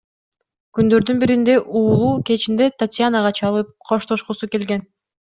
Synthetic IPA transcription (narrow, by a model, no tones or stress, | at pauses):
kynd̪ø̞ɾd̪ynbiɾind̪e̞ʔuːlˠuːke̞t͡ʃind̪e̞t̪at̪ʲjanaʁɑt͡ʃʰɑlˠɯp̚qʰo̞ʃt̪o̞ʃqusuke̞lɡe̞n